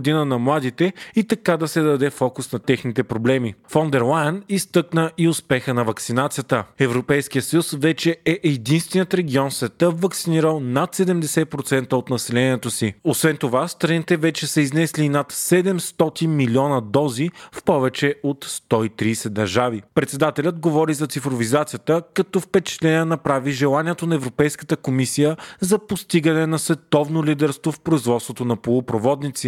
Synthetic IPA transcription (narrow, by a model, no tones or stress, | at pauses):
d̪inənɐmlˠad̪it̪ɛit̪ɐkad̪ɐsɛd̪ɐd̪ɛfɔkusnɐt̪ɛxnit̪ɛpɾoblɛmifond̪ɛɾlˠajənist̪ɤknəʔiʊspɛxənɐvɐksinat̪sijət̪əɛvɾopɛjskijət̪sɐjusvɛt͡ʃɛɛʔːd̪inst̪vɛniət̪ɾɛɡ̟iɔnsvɛt̪əvɐksiniɾəlˠnat̪sɛd̪ɛmd̪ɛsɛt̪̚pɾot̪sɛnt̪əot̪nɐsɛlɛniɛt̪osiosvɛnt̪ovast̪ɾɐnit̪ɛvɛt͡ʃɛsɐiznɛslinat̪sɛd̪ɛmst̪ɔt̪inmilʲiɔnɐd̪ɔzifpɔvɛt͡ʃɛot̪st̪ɔit̪ɾiːsɛd̪ɐɾʒavipɾɛt̪sɛd̪at̪ɛlʲəd̪ɡovɔɾizɐt̪sifɾovizat̪sijət̪əkɐt̪ɔfpɛt͡ʃɛ̥t̪lɛniɛnɐpɾaviʒɛlˠaniɛt̪onɐɛvɾopɛjskə̥t̪əkomisijəzɐpost̪iɡənɛnɐsvɛt̪ɔvnolid̪ɛɾst̪vofpɾoizvɔt̪st̪vot̪onɐpolˠopɾovɔd̪nit̪si